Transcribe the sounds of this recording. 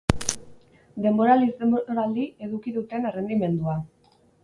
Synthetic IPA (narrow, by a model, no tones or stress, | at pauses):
d̪e̞mbo̞ɾalizeoɾald̪ie̞ðukiðut̪e̞nerend̪ime̞nd̪ua